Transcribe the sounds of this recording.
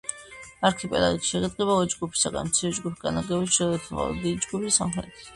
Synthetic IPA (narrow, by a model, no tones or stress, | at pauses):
aɾkʰipʼɛla̰it̪ʃɛʁɛd̪ɡʼɛβalˠɔd͡ʒɡupʰi̥saɡa̰nmt̪sʰiɛd͡ʒɡupʰɡanaɡɛbisʃɛd̪ɛt̪ʰaχa̰l̰d̪id͡ʒɡupʰisamχɛ̰t̪ʰi̥